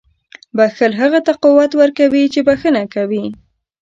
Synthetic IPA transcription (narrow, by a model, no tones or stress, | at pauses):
baxəlɦaɣat̪aquwat̪wəɾkawit͡ʃebaxənakawi